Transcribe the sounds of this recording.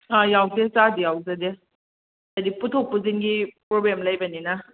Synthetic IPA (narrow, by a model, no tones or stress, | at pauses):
ajawsesadijawzade | adiputʰok̚puzinɡipɾoblemlɐjbɐnina